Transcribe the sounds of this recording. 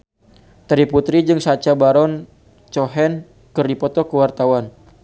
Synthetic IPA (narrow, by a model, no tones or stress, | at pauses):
t̪əɾiput̪ɾid͡ʒɨŋsat͡ʃabaɾɔn | t͡ʃɔɦɛn | kərdipɔt̪ɔkəwart̪awan